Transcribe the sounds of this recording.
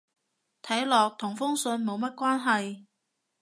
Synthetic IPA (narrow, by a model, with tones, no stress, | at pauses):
t̪ʰɐ˨˥jlɔː˨k̚t̪ʰʊ˨˩ŋfʊ˥ŋsɵ˧nmo˨˧wmɐ˥t̚kʷaː˥nɦɐ˨j